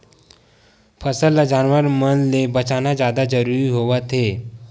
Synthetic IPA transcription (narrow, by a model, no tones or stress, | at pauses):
pʰəsəlːad͡ʒaːnʋəɾmənlebət͡ʃanad͡ʒjad̪ad͡ʒəɾuɾiɦoʋat̪ʰe